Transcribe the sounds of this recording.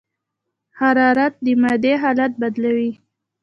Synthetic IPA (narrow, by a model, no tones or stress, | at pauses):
haɾɑɾat̪̚d̪əmad̪eɦɑlat̪̚bad̪lawi